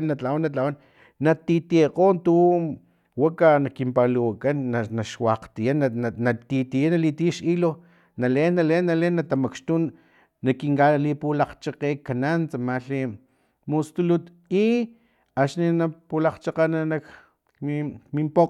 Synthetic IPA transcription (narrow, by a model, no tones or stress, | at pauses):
nat͡ɬawanat͡ɬawan | nat̪it̪ieqoːnt̪u | wakanakimpaluwakanːanaʃwaqt̪ijanaanat̪it̪ijanalit̪ijaʃilo | nalenːalenːalenːat̪amakʃt̪unː | akiŋkalipulaqt͡ʃaqekːanant͡samaɬi | must̪ulut̪ | i | at͡ʃninapulaqt͡ʃaqananak | mimimpo